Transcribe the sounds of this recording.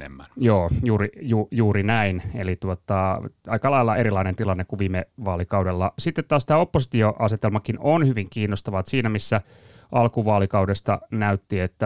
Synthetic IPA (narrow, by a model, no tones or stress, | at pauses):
ḛmːænjoːjuːɾijuːjuːɾinæinelit̪uot̪ɑɑikɑlɑilːɑʔeɾilɑinent̪ilɑnːekuʋiːmeʋɑːlikɑwdelːɑsit̪ːet̪tɑːst̪æːopːosi̥t̪ioʔɑset̪elmɑkinonhyʋiŋkiːnːost̪ɑʋɑt̪siːnæmisːæ | ʔɑlkuʋɑːlikɑwdest̪ɑ̰næyt̪ːiet̪ːæ